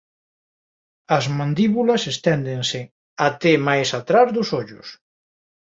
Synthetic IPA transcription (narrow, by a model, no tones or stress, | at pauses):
ɐzmãnd̪iβulɐsest̪ɛnd̪eŋsɪ | at̪emajsat̪ɾazðʊsoʎʊs